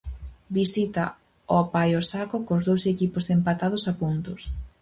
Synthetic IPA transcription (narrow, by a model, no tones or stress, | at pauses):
bisit̪a | opajosakokozðowsekiposempat̪að̞ʊsapunt̪ʊs